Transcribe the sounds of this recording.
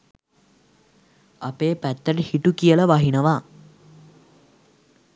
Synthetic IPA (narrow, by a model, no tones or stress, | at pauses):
apeːpæt̪ːəʈəhiʈukijələʋaɦinəʋa